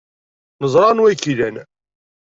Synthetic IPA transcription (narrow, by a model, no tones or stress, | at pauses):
nəzˤɾˤɑnwækːilæn